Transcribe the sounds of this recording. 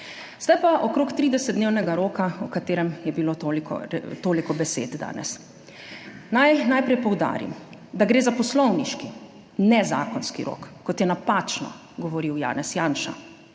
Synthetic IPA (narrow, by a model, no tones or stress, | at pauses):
sd̪ajpaʔɔkɾoːkt̪ɾiːd̪ɛsɛd̪d̪neːwnɛɡaɾoːkaɔkat̪eːɾɛmjɛbilot̪olikɔ̰t̪oːlikɔbɛsḛːd̪d̪a̰ːnɛ̰s | najnajpɾɛjpɔwd̪a̰ːɾḭmd̪aɡɾeːzapɔslɔwniʃki | nɛza̰ːkɔnskḭɾo̰ːkːɔt̪jɛnapaːt͡ʃnɔ̰ | ɡɔʋɔɾiwja̰ːnɛsjaːnʃa̰